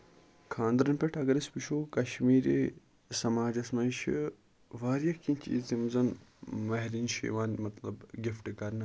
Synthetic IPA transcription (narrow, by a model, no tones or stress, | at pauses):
kʰãːnd̪ɾɐnpeʈʰɐɡɐɾispiʃoːkɐʃmiːɾi | sɐmaːd͡ʒɐsmɐʃi | ʋaːɾjɐkinʲt͡ʃḭːzt̪imzɐnmɐɦɾiːnʃḭːʋaːnmɐt̪lɐbɡifʈɨkɐɾnɨ